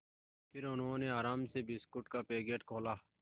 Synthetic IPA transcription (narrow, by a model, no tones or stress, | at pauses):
pʰɪɾʊnɦõːneːaːɾaːmseːbɪskʊʈkaːpeːɡeːʈkʰoːlaː